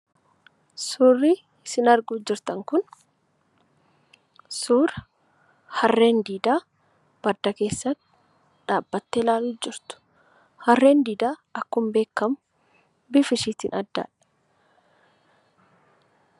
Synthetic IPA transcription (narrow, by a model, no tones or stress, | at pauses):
suːrːɪ | ɪsɪnɐɾɡʊːd͡ʒɪɾt̪ɐŋkʊn | suːɾ | hɐrːe̞ːnd̪iːd̪aː | b̥ɐd̪ɐke̞ːsːɐt̪ː | ᶑaːbːɐt̪ːelaːlʊd͡ʒɪɾt̪ʊ̥ | hɐrːe̞ːnd̪iːd̪aːɐkːʊmbe̞ːkːɐmʊ | bɪfɪsiːt̪ɪnɐd̪ːa̰ːᶑɐ̥